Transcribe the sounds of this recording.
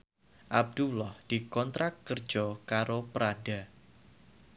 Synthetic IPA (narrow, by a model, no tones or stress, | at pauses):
ʔab̚d̪ulɔhd̥ikɔnt̪ɾakːərd͡ʒ̥ɔkaɾopəɾada